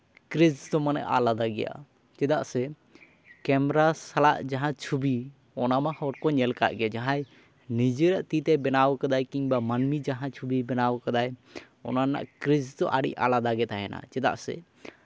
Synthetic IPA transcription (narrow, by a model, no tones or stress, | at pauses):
kɾisd̪ɔmanɛ̰ʔalad̪aɡɛ̰ja̰ | t͡ʃɛd̪aʔsɛ | kɛmɾasalaʔd͡ʒaɦãt͡ʃʰubi | ɔnamahɔɾ̚kɔɲɛlka̰ʔɡɛd͡ʒaɦãj | nid͡ʒeɾaʔt̪it̪ɛbɛnawkad̪ajkiŋbamanmid͡ʒaɦãt͡ʃʰubibɛnawkad̪aj | ɔ̰nana̰ʔkɾid͡ʒd̪ɔʔaɽḭʔa̰lad̪aɡɛt̪aɦɛna̰t͡ʃɛd̪a̰ʔsɛ̰